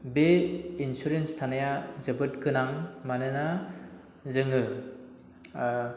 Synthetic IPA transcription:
beinsuɾenstʰanajazɯbɯt̚kʰɯnaŋmanɯna | zɯŋɯ

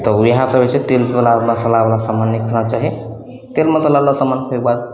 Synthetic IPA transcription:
t̪ɔwiɦasəbesẽt̪elsbəlaməsəlabəlasamanːikʰənat͡ʃaɦi | t̪elməsəlablasamankʰek̚bad̪

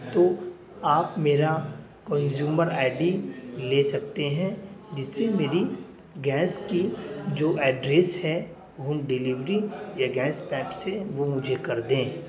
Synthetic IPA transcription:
t̪oː | aːpmeːɾa | kɐ̃nzuːməɾaːɪɖileːsɐk̚t̪eɦɛ̃d͡ʒɪsːemeːɾi | ɡɛːskid͡ʒoːʔɛːɖɾeːshɛ | oɦɐmɖɪliʋɾĩjaɡɛːspɛːpseʋomʊd͡ʒʱekɐɾd̪ẽː

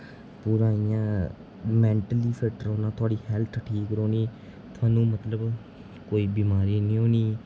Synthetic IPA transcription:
pʊɾaːijãː | mɛːɳʈəliːfɪʈɾoːnãːt̪ʰʊaːɖiːhɛlt̪ʰʈʰiːkɾoːniː | t̪ʊaːnũːmət̪ləb | koːiːbiːmaːɾiːnĩːoːniː

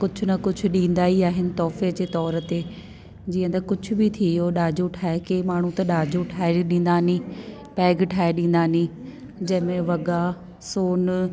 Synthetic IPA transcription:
kʊd͡ʑʰʱʊnɐkʊd͡ʑʰʱʊ̆ɗĩːnd̪aːiaːɦɪnɪ̆t̪ɔːfed͡ʑeːt̪ɔːɾət̪eː | d͡ʑiːə̃nd̪ɐkʊd͡ʑʰʱʊ̆bɪt̪ʰijoɗaːd͡ʑoʈʰaːekemaːɳ̤ũt̪ɐɗaːd͡ʑʱoʈʰaːɪɾiɗĩːn̆d̪aːnĩː | pɛːɡʈʰaːɪɗĩːn̆d̪aːnĩ | d͡ʑɐ̃ɦɪ̃mẽʋɐɡa | soːn

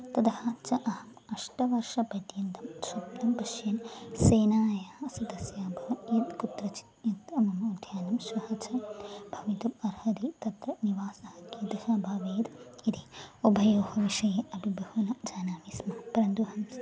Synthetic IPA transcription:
t̪ɐd̪ɐhɐt͡ʃɐʔɐɦɐmɐʂʈɐʋɐɾʂɐpɐd̪jɐnt̪ɐmsuplɐmpɐʃjɐnseːnaːjaːsɐd̪ɐsjaːbʱɐjit̪kut̪ɾɐt͡ʃi̥t̪jɐt̪ɐmɐmud̪ʱjaːnɐmʃʋɐhɐt͡ʃɐbʱɐʋit̪upɐɾhɐd̪it̪ɐt̪ɾɐniʋaːsɐhɐkid̪ɐɦɐbʱaːʋeːd̪id̪ʰiobʱɐjoːhɐʋiʂɐjɐʔɐbʱibʱɐɦunɐd͡ʒaːnaːmismɐpɾɐnd̪uɦɐm

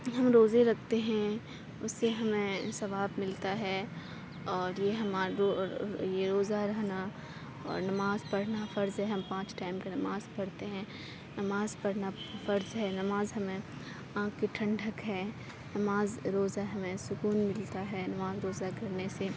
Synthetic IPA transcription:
ɦɐmɾoːzeɾɐk̚ʰt̪eɦɛ̃ | ʊsːeɦɐmẽsɐʋaːbmɪlt̪aɦɛː | ɔːɾjeɦɐmaːojeɾoːzaɾɐɦna | ɔ̰ːɾnɐmaːzpɐɽnafɐɾzɦɛɦɐ̃mpãːt͡ʃʈaːɪmkenɐmaːzpɐɽt̪eɦɛ̃ | nɐmaːzpɐɽnafɐɾzɦɛːnɐmaːzɦɐmẽ | ãːkkiʈʰɐ̃ɳɖʱəkɦɛː | nɐmaːzɾoːzaɦɐmẽsʊkuːnmɪlt̪aɦɛːnɐmaːzɾoːzakɐɾnese

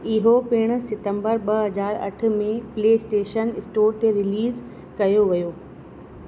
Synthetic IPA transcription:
ɪɦopɪɽ̃ʊ̆sɪt̪ə̃mbəɾɓɐɦɐzaːɾɐ̰ʈʰʊ̆mẽpleːɪsʈeːʃənɪsʈoːɾt̪eɾɪliːz | kɐjoʋɐjoː

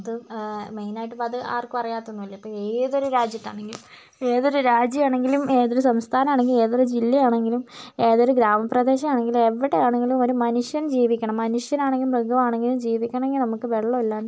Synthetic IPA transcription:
ɐðɨmejnaːjiʈːɨpɐðɨa̰ːrkɨpɐrɐjaːt̪ːonːuʋɐlːɐipːoːeːðo̞ɾuɾaːd͡ʑjɐtːa̰ːɳeŋɡilum | e̞ːðo̞ɾuɾaːd͡ʑjɐjaːɳe̞ŋɡilume̞ːðoɾusɐmst̪ʰaːnɐmaːɳe̞ŋɡile̞ːðoɾud͡ʑilːɐjaːɳe̞ŋɡilume̞ːðo̞ɾuɡɾaːmɐprɐd̪e̞ːɕɐmaːɳe̞ŋɡilume̞ʋːiɽejaːɳe̞ŋɡilumo̞ɾumɐnuʂjɐnd͡ʑiːʋikʲːɐɳɐmːɐnuʂjɐnaːɳeŋɡilumbʱɐɡɐmaːɳe̞ŋɡilumd͡ʑiːʋikʲːɐɳɐ̃eŋɡilnɐmukːɨʋe̞ɭːɐɐlːaːɳ

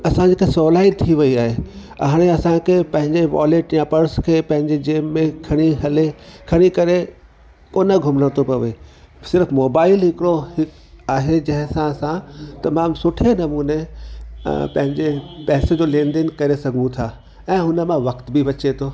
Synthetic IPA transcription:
ɐsãd͡ʑikʰesɔːlaːit̪ʰiʋɐiaːɦeɐ̰ɦaːɽ̃eɐsãkʰeːpɐ̃ɦɪ̃ɲd͡ʑeʋa̰ːleːʈjãpɐɾskʰeːpɐ̃ɦɪ̃ɲd͡ʑed͡ʑeːmːẽkʰɐɽ̃iɦɐlekʰɐɽ̃ikɐɾe | koːnəɡʱʊmɽə̃t̪ʰopɐʋe | sɪɾfmoːbaːɪlɦɪkɪɽohɪk | aːɦed͡ʑɐ̃ɦɪ̃sãsãt̪ɐmaːmsʊʈʰenɐmuːne | pɐ̃ɦɪ̃ɲd͡ʑepɛːsed͡ʑoːlẽːnd̪ɪnkɐɾesɐɡʱũt̪ʰaː | ɛ̃ːɦʊnə̆mãʋɐkt̪bɪʋɐt͡ɕet̪ʰoː

